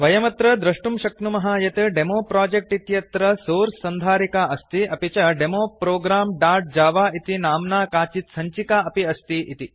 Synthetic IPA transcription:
ʋɐjɐmɐt̪ɾɐd̪ɾɐʂʈumʃɐknumɐɦaːjɐt̪ɐɖemoːpɾaːd͡ʒek̚ʈit̪jɐt̪ɾɐsoːɾsɐnd̪ʱaːɾikaːʔɐst̪iʔɐpit͡ʃɐɖemoːpɾoːɡɾaːmɖaːɾʈ̚d͡ʒaːʋaːit̪inaːmnaːkaːt͡ʃit̪sɐɲt͡ʃikaːɐpiɐst̪iʔit̪i

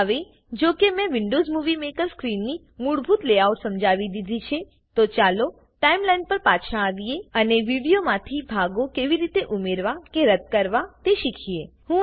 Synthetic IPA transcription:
ɦəʋe | d͡ʒokemɛ̃ʋɪɳɖozmuʋimekəɾskɾinːi | muɽbʱut̪leawʈsəmd͡ʒʱaʋid̪id̪ʱit͡ʃʰe | t̪ot͡ʃalo | ʈaimlajnpəɾpat͡ʃʰãaʋieəneʋiɽijomãt̪ʰibʱaɡokeʋiɾit̪eʔumeɾʋakeɾət̪̚kəɾʋat̪eʃikʰie | ɦũ

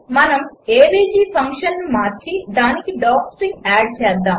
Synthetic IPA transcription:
mɐnɐmeːbiːd͡ʒiːpʰɐŋkʂɐnnumaːɾt͡ʃid̪aːnikiɖaːksɾiŋaːɖ̚t͡ʃɛːd̪ːaːm

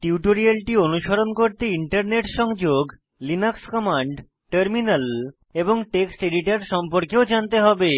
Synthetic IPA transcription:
ʈiuʈoɾialʈionuʃoɾonkoɾt̪eiɳʈaɾneʈʃɔŋd͡ʑoɡ | linakskɔmaɳɖ | ʈəɾminal | eboŋʈeksʈeɖiʈaɾʃɔmpoɾkeod͡ʑant̪eɦɔbe

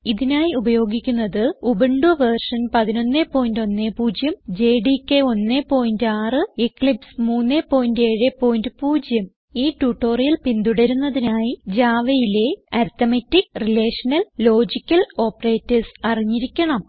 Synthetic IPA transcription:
iðinaːjiubɐjo̞ːɡikʲːunːɐðɨubeɳɖuʋɐrʂɐnpɐðino̞nːepːo̞ːjindo̞nːepuːd͡ʑjɐmd͡ʑe̞ːɖikːeo̞nːepo̞ːjindɨaːrɨekːlipsmuːnːepːo̞ːjnde̞ːɻepːo̞ːjndɨpuːd͡ʑjɐm | iːʈuːʈːo̞ːrijɐlpind̪uɽɐɾunːɐðinaːjid͡ʑaːʋɐjile̞ɐɾt̪ɐmetːikrileːʂɐnɐlːo̞ːd͡ʑikʲːɐlo̞ːpre̞ːtːɐsɐriɲːiɾikʲːɐɳɐm

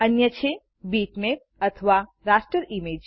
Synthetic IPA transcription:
ənjət͡ʃʰe | biʈmep̚ | ət̪ʰəʋa | ɾasʈɾəɾimed͡ʒ

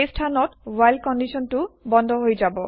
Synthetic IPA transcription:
esʈʰanɔtwajlkɔnːisɔnʈubɔnd̪ʱɔɦojd͡ʒabo

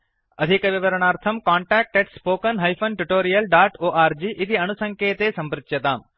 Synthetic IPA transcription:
ɐd̪ʱikɐʋiʋɐɾɐɳ̃aːɾt̪ʰɐmkaːɳʈaːk̚ʈeʈspoːkɐnɦɐjfʰɐnʈuʈoːɾijɐlɖaːʈoːʔaːɾd͡ʒiːʔit̪iɐnusɐ̃ŋkeːt̪eːsɐ̃mpɾɪt̪jɐt̪aːm

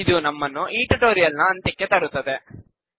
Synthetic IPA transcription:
id̪unɐmːɐnːuʔiːʈɐʈoːɾijɐlnɐːnt̪ikːet̪ɐɾut̪ːɐd̪e

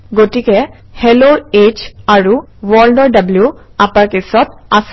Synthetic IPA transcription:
ɡotikɛ | hɛloet͡ʃaɹuwɔldɔɹɖablju | apaɹkisɔt̚as

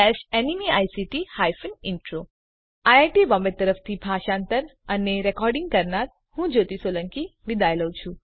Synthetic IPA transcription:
ɛʃɛnimiajsiʈihajfənɪɳʈɾo | ajaʈiʋɔ̃mbet̪əɾəft̪ʰibʱaʃãnt̪əɾəneɾɛkɔɾɖĩŋɡkəɾnaɾ | hũd͡ʒot̪isoləŋkiʋid̪ʱajləwt͡ʃʰũ

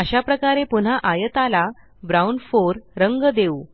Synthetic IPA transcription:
əɕapɾəkaɾepun̤aʔajət̪ala | bɾawnfoɾɾəŋɡəd̪eu

